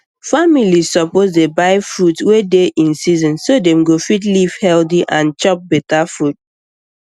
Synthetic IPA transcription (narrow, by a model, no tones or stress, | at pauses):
familizsɔpozdebaɪfɹɾutwedeʔĩnsizɔ̃nsodɛ̃mɡofitlivhɛldiʔãnt͡ʃɔp̚bɛtafɹut̚